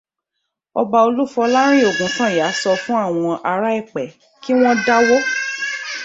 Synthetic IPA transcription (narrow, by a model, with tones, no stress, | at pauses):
ɔ˧ba˧o˧lu˦fɔ˧la˦ɾ̃ĩ˦˨o˨ɡũ˨˦sã˦˨ja˨˦sɔ˧fũ˦a˦˨w̃ɔ̃˧ʔa˧ɾa˦i˦˨k͡pɛ˨ | ki˦w̃ɔ̃˦da˦wo˦